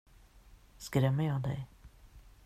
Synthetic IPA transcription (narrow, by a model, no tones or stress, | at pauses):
skɾɛmːəɾjɑːd̪ɛ̰j